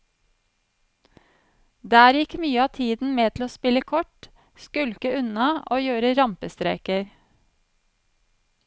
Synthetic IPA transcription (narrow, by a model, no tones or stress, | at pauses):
d̪æːɾjɪkmyːəɑːt̪ʰiːd̪n̩meːt̪ʰl̩oːspɪləkʰɔʈ | skʉlkəʉnɑoːjøːɾəɾɑmpəst̪ɾḛːkəɾ